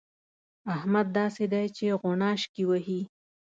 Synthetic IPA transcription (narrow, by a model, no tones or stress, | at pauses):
ahmad̪̚ːɑsed̪ajt͡ʃeɣonɑʃkiwaɦi